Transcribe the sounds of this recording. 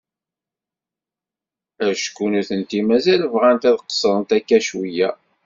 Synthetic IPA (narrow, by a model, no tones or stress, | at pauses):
æʃə̥kːunuθənt̪imæzælvʁænt̪æðqsˤəɾˤənt̪ækːæʃwijæ